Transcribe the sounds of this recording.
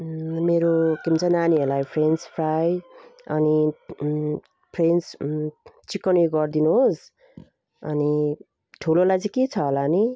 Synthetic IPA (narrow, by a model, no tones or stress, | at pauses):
meɾokimt͡sʰʌnaniɦelajpʰrenspʰrajʌni | pʰrens | t͡sikːʌniɡʌrd̪inuɦos | ʌni | ʈʰulolajt͡sikit͡sʰʌɦolani